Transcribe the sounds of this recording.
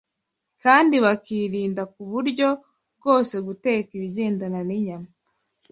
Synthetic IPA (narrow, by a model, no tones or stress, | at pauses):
kaːndiβakiːɾiːndak̚uβuɾɟo̞ | bɡo̞ːse̞ɡute̞ːkiβiɟeːndananiɲama